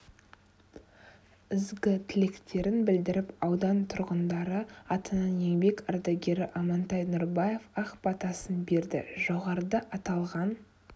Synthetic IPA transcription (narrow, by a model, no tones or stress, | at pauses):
ɪzɡʲɪt̪ʰɪle̞kt̪e̞ɾɪnbɪld̪ɪɾɪpɑwd̪ɑnt̪ʰʊɾʁənd̪ɑɾəɑt̪ənɑnje̞ŋbe̞kɑɾd̪aɡʲe̞ɾɪʔɑmɑnt̪ɑjnuɾbaje̞fɑqpɑt̪ɑsənbe̞ɾd̪ɪ̰ʒo̞ʁɑɾəd̪ɑʔɑt̪ɑlˠʁɑn